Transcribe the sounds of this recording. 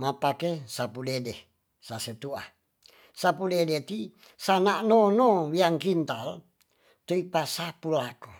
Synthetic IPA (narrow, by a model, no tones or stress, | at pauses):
mapakesapulede | saset̪ua | sapuledet̪i | sanaʔnonowiaŋkint̪al | t̪oipasapulako